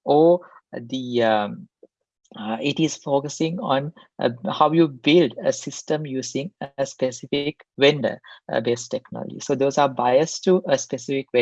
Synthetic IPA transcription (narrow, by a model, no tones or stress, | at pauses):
ɔː | d̪i | iʈiz̥foːkəsĩŋɔ̃n̰ | haʊjubɪlɖə̰sɪsʈə̃mjuːsĩŋəspesifik | ʋɛ̃ɳɖə̰beːsʈeknɔ̰ːlɔ̰d͡ʒḭsoːd̪oːzaːbaɪəsʈuʔəspesifikʋẽ